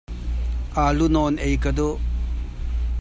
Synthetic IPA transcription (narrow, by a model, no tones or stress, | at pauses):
alunɔnejkɐd̪o